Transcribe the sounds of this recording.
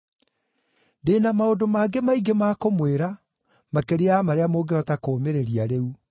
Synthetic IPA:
ndeːnamaodomaɡemaiɡemaːkomweɾa | makeɾeamaɾeamoːɡeɔtakoːmeɾeɾiaɾeu

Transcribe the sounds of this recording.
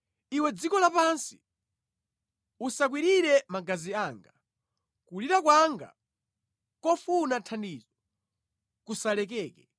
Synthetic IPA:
iwɛd͡zikɔlapansi̥ | usak̬wiɾiɾɛmaɡaziaːŋɡa | kuliɾak̬waŋɡa̰ | kɔfunatʰandiːzɔ | kusalɛkɛːkɛ

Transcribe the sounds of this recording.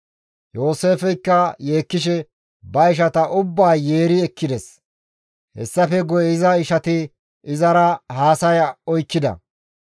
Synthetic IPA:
jo̞ːse̞ːfɛjkːɐjeːkːɪʃ̬ɛ | bɐɪʃ̬ɐt̪ɐʔʊbːaːjeːɾɪɛkːɪd̪ɛs | hɛ̰sːɐfɛɡɔjɪzɐɪʃɐt̪ɪ | ʔɪzɐɾɐhaːsɐjɔjkːɪd̪ɐ̰

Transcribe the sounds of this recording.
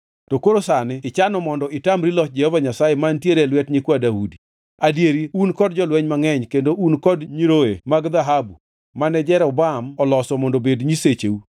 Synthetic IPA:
tokoɾosanɪɪt͡ʃanɔmɔndɔɪtamɾilɔk̚d͡ʒɛhɔvaɲasajemantjeɾɛlwɛtɲikwadaudi | adjeɾiunkɔd̚d͡ʒɔlwɛɲmaŋɛɲkendoʔunkɔdɲiɾoemaɡd̪aɦabu | manɛd͡ʒɛɾɛʊbamɔlɔsɔmɔndobedɲiset͡ʃeu

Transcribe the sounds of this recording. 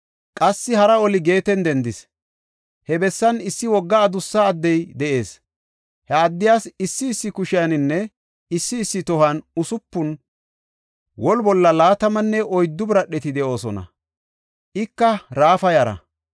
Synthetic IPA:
kʼɐsːɪhɐɾɐɔlɪɡe̞ːt̪ɛnd̪ɛnd̪ɪs | hɛbɛsːɐnɪsːɪwɔɡːɐːd̪ʊsːɐːd̪ːɛjd̪ɛʔe̞ːs | hɛɐd̪ːɪjaːsɪsːɪːsːɪkʊʃɪjɐnɪnːɛ | ɪsːɪːsːɪt̪ɔhɐnʊsʊpːʊn | wɔlbɔlːɐlaːt̪ɐmɐnːɛʔɔjd̪ːʊbɾɐɗːɛt̪ɪd̪ɛʔo̞ːsɔ̰nɐ̰ | ʔɪkːɐɾaːfɐjɐɾɐ̰

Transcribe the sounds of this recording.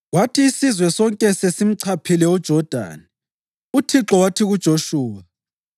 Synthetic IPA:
ɣwatʰiːsizwɛsɔŋkʼɛsesim̩ǀʰapʰilɛud̥ʒ̥ʱɔd̥ʱa̰ːni | utʰiǁɔwatʰiɣud̥ʒ̥ʱoʃuːwa

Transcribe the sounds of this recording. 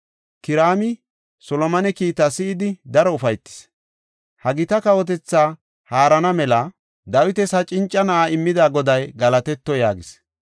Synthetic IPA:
kɪɾaːmɪ | sɔlɔmɐnɛkiːt̪asɪɪd̪ɪd̪ɐɾɔʊfɐjt̪ːɪ̥s | hɐɡɪt̪ɐkɐwɔt̪̬ɛt͡sːaː | haːɾɐnɐmɛlɐ | d̪ɐwɪt̪ɛsɐt͡ʃʼɪnt͡ʃʼːɐnɐʔaːɪmːɪd̪aːɡɔd̪ɐjɡɐlɐt̪ɛt̪ːɔjaːɡɪs

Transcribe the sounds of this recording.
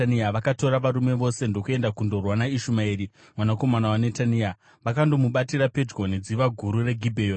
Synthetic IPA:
niaʋakato̞ɾaʋaɾume̞ʋo̞se̞ndo̞kue̞ndakundo̞rwanaiʃumaiːri | mwanako̞manawanetania | ʋakando̞muɓatiɾape̞d͡ʒɡo̞nid͡ziʋaɡʱuɾure̞ɡʱibʱeo

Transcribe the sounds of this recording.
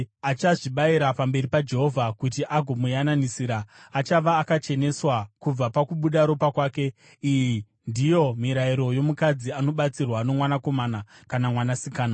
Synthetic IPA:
at͡ʃaʐiɓaiɾapambe̞ɾipad͡ʒe̞ɦo̞vʱakutiʔaɡʱomujananisiːɾaːt͡ʃaʋaːkat͡ʃe̞ne̞swakub͡vapakuɓuɗaɾo̞pakwaːke̞ | iji | ndijo̞miɾaiɾo̞jo̞mukad͡ziano̞ɓat͡sirwano̞mwanako̞maːnakanamwanasikaːna

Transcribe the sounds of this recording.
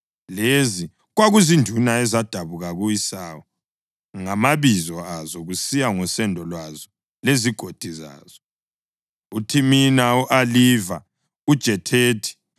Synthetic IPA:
lezi | ɣwaɣuzindʱunaɛzad̥ʱaβuɣaɣujisaːwɔ | ŋamaβizɔazɔɣusijaŋɔsɛndʱɔlwazɔ | leziɡ̥ʱod̥ʱiza̰ːz̥ɔ | utʰiminauʔaliva̰ | ud̥ʒ̥ʱɛtʰeːtʰi̥

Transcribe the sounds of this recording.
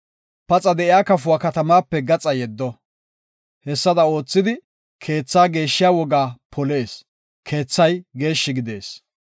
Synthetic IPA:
pɐt͡sʼɐd̪ɛʔɪjaːkɐfʊakɐt̪ɐmaːpːɛɡɐt͡sʼɐjɛd̪ːɔ | hɛsːɐd̪ɐo̞ːt͡sːɪd̪ɪ | kʰe̞ːt͡sːaːɡe̞ːʃːɪjaːwɔɡaːpʰɔle̞ːs | kʰe̞ːt͡sːɐjɡe̞ːʃːɪɡɪd̪e̞̰ːs

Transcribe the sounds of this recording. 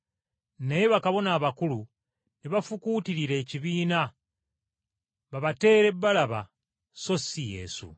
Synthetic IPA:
nejeβakaβo̞naːβakulu | niβafukuːtiɾiɾe̞ːciβiːna | βaβate̞ːɾe̞bːalaβa̰ | so̞sije̞̰ːsṵ

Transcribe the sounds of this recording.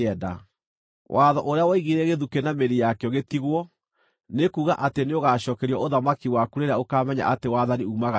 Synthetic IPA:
ɛda̰ | wʔaðɔʔoɾeawɔiɣiɾɛɣeðukenameɾijakɛɔɣetiɣwɔ | nekuːɣaʔateneoɣaʃɔːkɛɾiɔoðamakiwakuɾeɾaokaːmɛɲa̰ʔatewaðaniumaɣa

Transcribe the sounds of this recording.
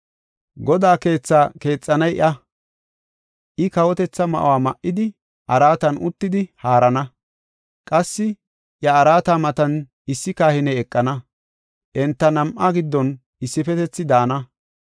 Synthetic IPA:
ɡɔd̪aːke̞ːt͡sːaːke̞ːt͡sʼːɐnɐjɪ̰ʔɐ | ʔɪkɐwɔt̪ɛt͡sːɐmɐ̰ʔwaːmɐʔɪd̪ɪ | ʔɐɾaːt̪ɐnʔʊt̪ːɪd̪ɪhaːɾɐnɐ | kʼɐsːɪ | jɐɐɾaːt̪aːmɐt̪ɐn | ɪsːɪkaːhɪnɛjɛkʼːɐnɐ | ʔɛnt̪ːɐnɐmʔaɡɪd̪ːɔn | ɪsːɪfɛt̪ɛt͡sːɪd̪aːnɐ

